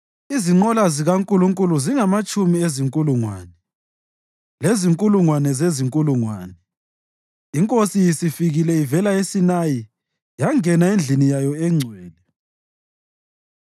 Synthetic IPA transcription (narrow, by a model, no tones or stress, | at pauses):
iziŋ͡ǃɔlaziɣaŋkʼuluŋkʼuluziŋamat͡ʃʼumieziŋkʼuluŋwa̰ːnɛ | leziŋkʼuluŋwanɛzeziŋkʼuluŋwaːnɛ | iŋkʼosijisifiɣilɛivɛlaesinaji | jaŋɛnaend͡ɮʱinijajɔɛŋ͡ǀʱwɛːlɛ